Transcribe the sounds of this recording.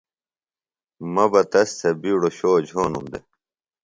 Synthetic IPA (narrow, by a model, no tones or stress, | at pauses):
mɐbɐt̪ɐst̪ʰɐbiːɽoɕoːd͡ʑʱoːnumd̪e